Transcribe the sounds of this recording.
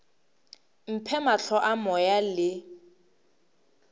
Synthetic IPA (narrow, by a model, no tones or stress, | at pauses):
m̩pʰɛmaɬʰɔʔamɔjalɪ